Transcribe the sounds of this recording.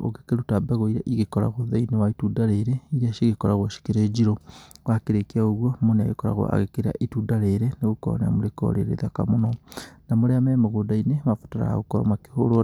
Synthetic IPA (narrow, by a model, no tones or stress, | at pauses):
o̰ke̥keɾutabaɣoiɾaʔiɣekɔɾa̰ɣoðainiwaitudaɾeɾeiɾiaʃeɣekɔɾaɣwaʃi̥keɾed͡ʒiɾowakeɾekeaoɣwomonea̰ɣekɔɾa̰ɣo̰a̰ɣekeɾa̰ʔitudaɾeɾeneɣokɔ̰nea̰moɾekɔ̰ɾḛɾḛðaka̰monɔnamoɾeamɛmeɣodainemafotaɾa̰a̰ɣokɔɾɔ̰make̥hoɾo